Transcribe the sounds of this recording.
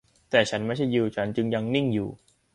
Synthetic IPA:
t̪ɛː˨˩t͡ɕʰa˦˥nma˥˩jt͡ɕʰa˥˩jːi˧wt͡ɕʰa˦˥nt͡ɕɯ˧ŋja˧ŋni˥˩ŋjṵː˨˩

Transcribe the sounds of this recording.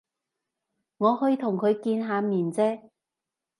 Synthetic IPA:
ŋɔː˨˧hɵ˧jt̪ʰʊ˨˩ŋkʰɵ˨˧ɥkiː˧nɦaː˨˧miː˨˩nt͡sɛː˥

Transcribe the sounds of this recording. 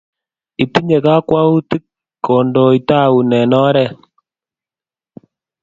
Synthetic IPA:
i˨pi˦ɲe˨ka˦kwa˦u˦ti˦kː | o˨ndo˨i˨ta˦˨u˨nɛ˨nɔ˦ɾɛ˦˨

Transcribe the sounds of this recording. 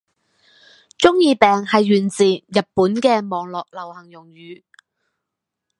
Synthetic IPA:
t͡ʃʊ˥ŋjiː˧pɛː˨ŋhɐ˨jːyː˨˩nt͡siː˨jɐ˨t̚puː˨˥nkɛː˧mɔː˨ŋlɔː˨k̚lɐ˨˩whɐ˨˩ŋjʊ˨˩ŋjyː˨˦

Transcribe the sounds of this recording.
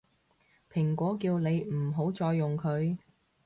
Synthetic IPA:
pʰɪ˨˩ŋkʷɔː˨˥kiː˧wne˨˧jm̩˨˩ɦo˨˥wt͡sɔː˧jːʊ˨ŋkʰɵ˨˧ɥ

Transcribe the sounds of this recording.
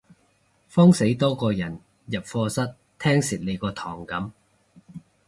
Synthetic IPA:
fɔː˥ŋse˨˥jt̪ɔː˥kɔː˧jɐ˨˩n | jɐ˨˩p̚fɔː˧sɐ˥t̚t̪ʰɛː˥ŋsɪ˨t̚le˨˧jkɔː˧t̪ʰɔː˨˩ŋkɐ˨˥m

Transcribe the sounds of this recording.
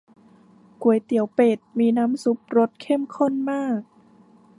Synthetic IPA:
ku˨˩ə˦jt̪i˨˩˦əwpeː˨˩t̪̚miː˧naː˦˥msu˧˦˥p̚ɾo˦˥t̪̚kʰe˥˩mkʰo˥˩nmaː˥˩k̚

